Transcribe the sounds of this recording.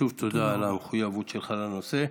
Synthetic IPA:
uvt̪ʰod̪aːlameχujavut̪t͡ʃelχalanose

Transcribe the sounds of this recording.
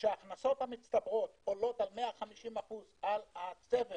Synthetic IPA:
ʃeaːχnaso̞t̪hamit̪st̪abʁo̞t̪olo̞t̪almeaχamiʃimaχuzalat͡seve

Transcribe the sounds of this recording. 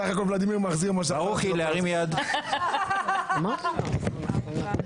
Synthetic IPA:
aχakolvlad̪imiʁmaχziʁmaʃ̬aʁuχileaʁimjad̪ | ma

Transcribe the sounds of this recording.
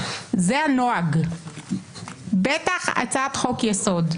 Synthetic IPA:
zeanoaɡ | bet̪aχa̰t͡sat̪χokjeso̞d̪

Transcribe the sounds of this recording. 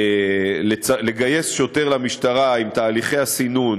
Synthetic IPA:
let͡sale̞ɡaje̞sʃo̞t̪e̞ʁlamiʃtaʁaimt̪aːliχe̞jasinun

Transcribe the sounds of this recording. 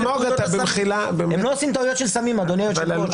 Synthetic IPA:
moat̪abeilabememloosimt̪aujot̪ʃelsamimad̪onejoʃelal

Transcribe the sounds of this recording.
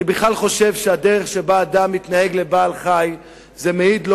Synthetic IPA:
nibiχlalχo̞ʃe̞vʃead̪e̞ʁe̞χʃebaːd̪amit̪nahe̞ɡle̞baːlχaj | zemeid̪l

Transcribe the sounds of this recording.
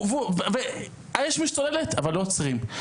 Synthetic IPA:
vuvve | ajɛʃmiʃtolelet̪ʰavalːot͡sʁim

